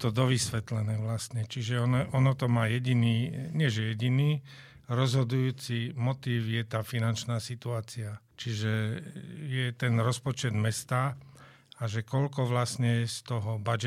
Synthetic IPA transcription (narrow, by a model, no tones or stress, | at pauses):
t̪ɔd̪ɔʋisʋɛt̪lɛnɛːʋlast̪ɲɛt͡ʃiʒɛɔnɛɔnɔt̪ɔmaːjɛɟiniːɲɪɛʒɛjɛɟiniː | ɾɔzɦɔd̪ujuːt͡simɔt̪iːwjɛt̪aːfinant͡ʃnaːsit̪uaːt͡sia | t͡ʃiʒɛ | jɛt̪ɛnɾɔspɔt͡ʃɛd̪mɛst̪aː | aʒɛkɔʎkɔʋlasɲɛst̪ɔɦɔbad͡ʒɛ